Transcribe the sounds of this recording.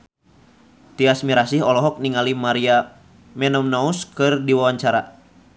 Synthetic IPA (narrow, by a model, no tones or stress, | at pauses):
t̪iasmiɾasihɔlɔɦɔk̚niŋalimaɾia | mɛnɔmnauskɨrdiwawaɲt͡ʃaɾa